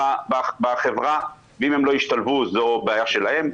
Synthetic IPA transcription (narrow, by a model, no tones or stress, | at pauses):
ababaχevʁa | veimhemlojiʃt̪alvuzobeajaʃe̞lahe̞m